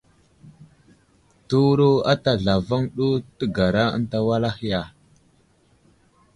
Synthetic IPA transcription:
tu˦wɾu˦a˦ta˨ɮa˨va˦ŋɗu˦tə˦ɡa˨ɾa˦ə̰˦nta˦wa˦la˦xi˦ja˨

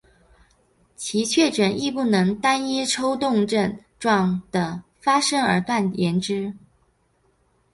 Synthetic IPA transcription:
t͡ɕʰi˧˥t͡ɕʰɥɛ˥˩ʈ͡ʂə˨˩ni˥˧pu˥˩nɤ˧˥ŋt̪a˥ni˥ʈ͡ʂʰo˥ʊt̪ʊ˥˧ŋʈ͡ʂə˥˧nʈ͡ʂwɑ˥˩ŋd̪̥ə˩ | fa˥ʂɤ˥ŋə̰˞˧˥t̪wa˥˩njɛ˧˥nʈ͡ʂɻ̩˥

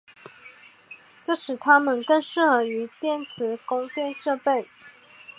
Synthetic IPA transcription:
ʈ͡ʂɤ˥˩ʂɻ̩˨˩t̪ʰa˥mə˨nkə˥˧ŋʂɻ̩˥˩xɤ˧˥y˧˥t̪jɛ˥˩nt͡sʰɹ̩˧˥kʊ˥ŋtjɛ˥˧nʂɤ˥˧pe˥˩ɪ

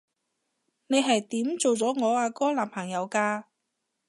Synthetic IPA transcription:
ne˨˧jɦɐ˨jt̪iː˨˥mt͡so˨wt͡sɔː˨˥ŋɔː˨˧aː˧kɔː˥laː˨˩mpʰɐ˨˩ŋjɐ˨˧wkaː˧

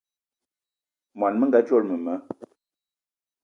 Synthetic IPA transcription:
mwa˨nmə˦ŋ˦ɡa˨˦t͡ʃwo˦˨ɾmə˨mə˨˦

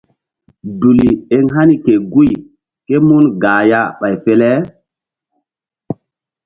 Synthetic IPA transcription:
du˨li˨e˦ŋɦa˦ni˦ke˨ɡu˦j | ke˦mu˦nɡaː˨ja˦ɓa˨jfe˦lɛ˦

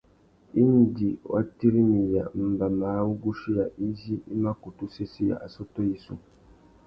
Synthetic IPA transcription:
i˦n˦di˨wa̰˦ti˦ɾi˦mi˨a˨m̩˦ba˨maː˨˦wu˦ɡu˦ʃi˦ja˨ʔi˦ʒi˦i˦ma˦ku˨tu˦se˦si˦ja̰˨ʔa˨so˦to˦ji˨so̰˦

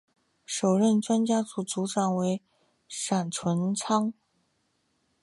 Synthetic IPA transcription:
ʂo˨˩ʊɻə˥˩nʈ͡ʂwa˥nt͡ɕja˥t͡su˨˩t͡su˧˥ʈ͡ʂɑ˨˩ŋwe˧˥ɪ | ʂa˨˩nʈ͡ʂʰwə˧˥nt͡sʰɑ˥ŋ

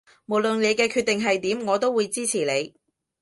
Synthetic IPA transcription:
mo˨˩wlɵ˨nle˨˧jkɛː˧kʰyː˧t̪̚ɪ˨ŋɦɐ˨jt̪iː˨˥mŋɔː˨˧t̪o˥wuː˨˧jt͡siː˥t͡sʰiː˨˩le˨˧j

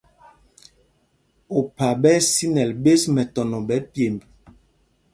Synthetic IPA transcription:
o˨pa˨bɛ˦si˦nɛ˨lbe˦smɛ˨tɔ˨nɔ˨ɓɛ˨˦pje˨mb

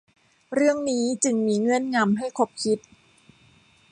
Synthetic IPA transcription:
ɾɯ˥˩əŋniː˦˥t͡ɕɯ˧ŋmiː˧ŋɯ˥˩ənŋa˧mɦa˥˩jkʰo˦˥p̚kʰi˦˥t̪̚

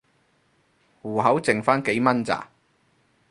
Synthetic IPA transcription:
wuː˨˩ɦɐ˨˥wt͡sɪ˨ŋfaː˥nke˨˥jmɐ˥nt͡sa̰ː˨˩

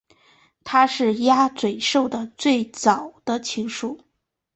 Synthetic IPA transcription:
t̪ʰa˥ʂɻ̩˥˩ja˥t͡swe˨˩ɪʂo˥˩ʊd̪ə˩t͡swe˥˩ɪt͡sɑ˨˩ʊd̪̥ə˦t͡ɕʰi˧˥ŋʂu˥˩

